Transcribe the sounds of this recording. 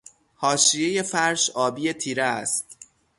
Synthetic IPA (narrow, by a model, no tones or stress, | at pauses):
hɒːʃijeje̞fæɾʃɒːbiːje̞t̪ʰiːɾeæst̪